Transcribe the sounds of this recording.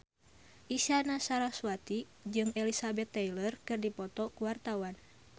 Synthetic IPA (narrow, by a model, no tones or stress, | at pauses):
ʔisanasaɾasuat̪i | d͡ʒɨŋɛlisabɛt̪ːɛjlərkɨrdipɔt̪ɔkuwart̪awan